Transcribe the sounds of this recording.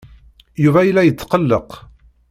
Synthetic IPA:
juvæjəlːæjət͡sːqəlːəq

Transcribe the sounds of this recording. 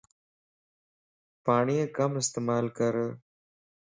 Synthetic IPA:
paːɳijekɐmɪst̪emaːlkɐɾ

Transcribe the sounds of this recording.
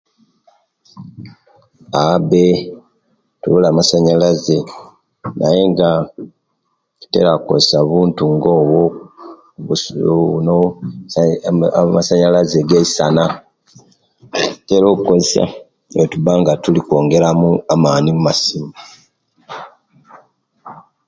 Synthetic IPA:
abe | tuβulaːmasaɲalaze | nʔaje̞ŋɡa | tu̥te̞̰ɾako̰esaβuːntuŋɡo̞βo | uno | masaɲalazeɡeisana | teɾo̞ːkukozsa̰ | etubaŋɡatuliko̞ːŋɡe̞ɾamuamaːnimumasima

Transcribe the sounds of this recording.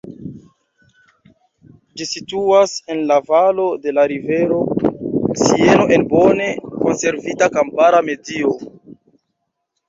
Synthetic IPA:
d͡ʒisituase̞nlavalo̞de̞laɾive̞ɾo̞ | sie̞no̞ʔenbo̞ne̞ko̞nse̞ɾvitakampaɾame̞dio

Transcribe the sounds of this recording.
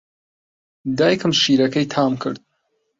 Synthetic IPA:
d̪aːjkʰɨmʃiːɾɐkʰɐjt̪ʰaːmkʰɨɾd̪̚

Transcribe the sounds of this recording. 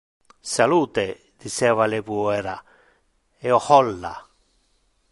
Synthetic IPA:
saluːt̪e | d̪̥isɛvalepuɛɾa | ɛɔhɔlːa̰

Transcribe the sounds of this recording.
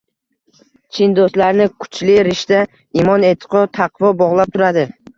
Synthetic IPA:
t͡ʃʰɪnd̪oslaɾnɪkʰʊ̥t͡ʃʰlɪɾɪʃt̪a | imɒne̞t̪ʰɪ̥qʰɒt̪ʰɑqʰvɒbɒʁlˠap̚t̪ʰʊɾad̪ɪ

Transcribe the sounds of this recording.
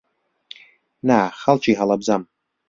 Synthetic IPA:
naχalˠt͡ʃʰiɦalabzam

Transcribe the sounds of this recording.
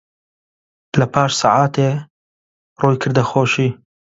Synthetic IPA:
lɐpʰaːʃsɑːʕaːt̪eː | rʔoːjkʰɨɾd̪ɐxoːʃiː

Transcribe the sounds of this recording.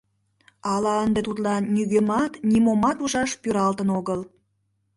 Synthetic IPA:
ɑlɑənd̪et̪ut̪lɑnːyɣemɑt̪nʲimomɑt̪uʒɑʃpyɾɑlt̪ənoɣəl

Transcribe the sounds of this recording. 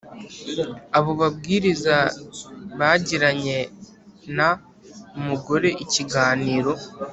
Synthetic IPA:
aβo̞βabɡiːɾiza | βaːɟiɾaɲe̞ | na | umuɡo̞ɾe̞ʔiciɡaːniːɾo̞

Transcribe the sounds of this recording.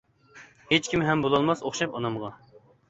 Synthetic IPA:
het͡ʃkʲimɦɛmbolˠɑlˠmɑsoχʃɑpɑnɑmʁɑ

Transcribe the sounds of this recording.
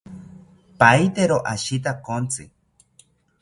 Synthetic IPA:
pajt̪eɾoʔaʃit̪̬akont͡sɨ̰

